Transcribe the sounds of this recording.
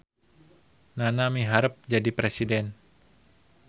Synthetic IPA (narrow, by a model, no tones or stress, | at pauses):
nanamiɦaɾəp̚d͡ʒadipɾesidɛn